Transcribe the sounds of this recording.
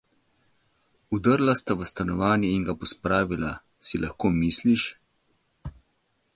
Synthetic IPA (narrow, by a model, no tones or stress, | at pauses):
ud̪əɾlast̪aʋəst̪anɔʋaːnjɛiŋɡapɔspɾaːʋila | silʔaxkoːmisliʃ